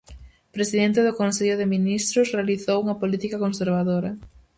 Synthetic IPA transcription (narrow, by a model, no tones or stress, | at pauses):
pɾesiðɛnt̪ɪðʊkonseʎʊðeminist̪ɾʊsrealiθowuŋɐpolit̪ikakonseɾβaðoɾɐ